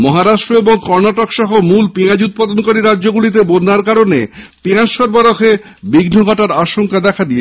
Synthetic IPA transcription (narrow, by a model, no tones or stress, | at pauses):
mɔɦaɾaʃʈɾoeboŋkɔɾnaʈokʃɔɦomulpiad͡ʑut̪̚pad̪onkoɾiɾadʑoɡulit̪̬ebonːaɾkaɾonepiaʃɔɾbaɾoxʰe | biɡnoɡʱɔʈaɾaʃoŋkad̪ɛkʰad̪ie